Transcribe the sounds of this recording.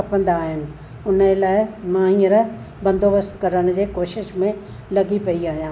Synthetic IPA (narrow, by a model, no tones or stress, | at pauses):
ɐpə̃nd̪aːɦɪnɪ̆ | ʊnəelaːɪmãːɦĩːəɾ | bɐ̃nd̪ʱoːbəst̪kɐɾəɽ̃ʊd͡ʑeːkoːʃɪʃmẽ | lɐɡipɐiaːɦijãː